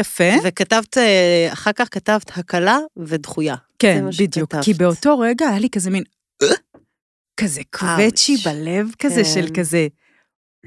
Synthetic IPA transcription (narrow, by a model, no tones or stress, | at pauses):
jafevekatavt̪aχaʁkaχkatavt̪hakalavedχujakenbid̪jukːibeo̞to̞ʁeɡaːjalikazemin | kazekʰvet͡ʃibalevkazeʃelkaze